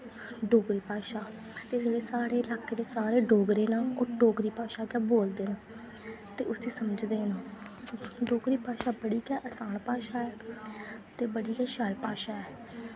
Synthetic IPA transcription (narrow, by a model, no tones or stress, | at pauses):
ɖoːɡɾiːpaːʃaː | t̪eːd͡ʒeːɽeːsaːɾeːɪlaːkʰːeːd̪eːsaːɾeːɖoːɡɾeːnaːoːɖoːɡɾiːpaːʃaːkɛːboːld̪eːna | t̪eːʊsĩːsəməd͡ʒd̪eːnãː | ɖoːɡɾiːpaːʃaːbəɽiːkɛːʔəsaːnpaːʃaːɛː | t̪eːbəɽiːkɛːʃaːlpaːʃaːɛː